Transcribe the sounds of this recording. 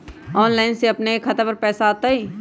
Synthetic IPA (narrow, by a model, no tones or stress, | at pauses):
ɔːnlaːɪnseɐpneekʰːət̪apəɾpɛːsaːt̪aiː